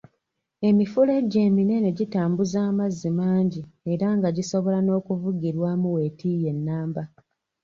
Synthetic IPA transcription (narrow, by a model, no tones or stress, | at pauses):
e̞mifule̞ɟeːmine̞ne̞ɟitaːmbuzaːmazːimaːɲɟie̞ɾaŋɡaɟiso̞βo̞lano̞ːkuvuɡiɾwaːmuwe̞tʰije̞nːaːmba